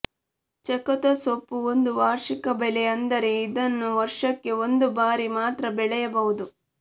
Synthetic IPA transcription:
t͡ʃɐkɐt̪ɐsopːuond̪uʋaːɾʂikɐbɛleɐnd̪ɐɾe̞id̪ɐnːuʋɐɾʂɐkːe̞o̞nd̪ubaːɾimaːt̪ɾɐbɛɭɛjɐbɐɦud̪u

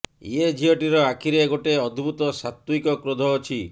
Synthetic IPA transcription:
ḭed͡ʒʱiɔʈiɾɔakʰiɾeɡoʈeɔd̪ʱbʱut̪ɔsat̪wikɔkɾod̪ʱɔːt͡ʃʰi

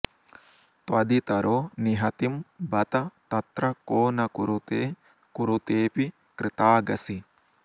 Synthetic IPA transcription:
t̪wɐd̪it̪ɐɾʔoːniɦɐt̪imbɐt̪ɐt̪ɐt̪ɾɐkoːnɐkuɾut̪e | kuɾut̪eːpi | kɾɪt̪aːɡɐsi

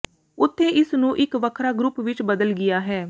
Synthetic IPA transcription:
ʊt̪ʰːeːɪsnũːʔɪkʋəkʰɾaːɡɾʊpʋɪt͡ʃbəd̪əlɡɪjaːɦɛː

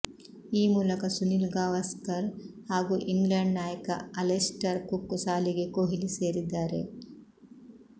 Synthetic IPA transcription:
iːmuːlɐkɐsunilɡaːʋɐskɐɾhaːɡuʔiŋɡlɐɳɖnaːjɐkɐ̰ɐlesʈɐɾkukːusaːliɡekoɦiliseːɾid̪ːaːɾḛ

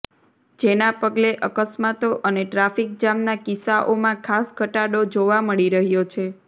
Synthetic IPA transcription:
d͡ʒenapəɡleʔəkəsmat̪oʔəneʈɾafik̚d͡ʒamnakisaʔomãkʰasɡəʈaɽod͡ʒoʋaməɭiɾəɦjot͡ʃʰe

